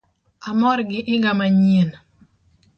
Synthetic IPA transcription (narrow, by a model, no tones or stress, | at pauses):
amɔɾɡɪʔɪŋɡamaɲen